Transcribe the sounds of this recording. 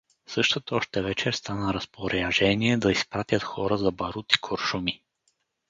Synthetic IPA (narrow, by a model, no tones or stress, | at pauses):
sɤʃt̪ot̪ɔʃt̪ɛvɛt͡ʃɛɾst̪anəɾɐspoɾaʒɛniɛd̪ɐispɾat̪ʲət̪xɔɾəzɐbɐɾut̪i̥kʰoɾʃumi